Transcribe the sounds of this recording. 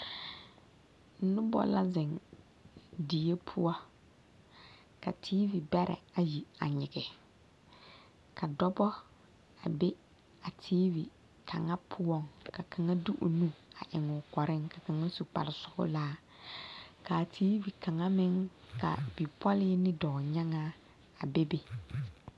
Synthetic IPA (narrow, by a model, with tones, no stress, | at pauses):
n̩˦nʊ˦bɔ̰˨la˦zɪ˨ŋ | di˨je˦pʰʊ˦ɔ˦ | ka˨tʰiː˦vi˨bɛ˦ɾʔɛ̰˨a˨ji˨a̰˨ɲɪ˨ɡɪ˨ | ka˨dɔ˦bɔ˦ | a˨be˦ | a˨tʰiː˦vi˨ | kʰa̰˨ŋa˦pʰʊ˦wɔ˦ŋka˨ka˨ŋa˦du˦ʔo̰˨nu˦a˨ʔɪ˨ŋʊ˨kɔ˨ɾɪ˦ŋka˨ka˨ŋa˦su˨k͡pa̰˨ɾɪ˨sʊ˦ɡʊ̰˦laː˦ | ka˨tʰiː˦vi˨ka˨ŋa˦mɪ˦ŋ | ka̰˨bi˨pɔ˦lɪ˦nɪ˦dɔː˨ɲa˦ŋa˦ | a˨be˦be˦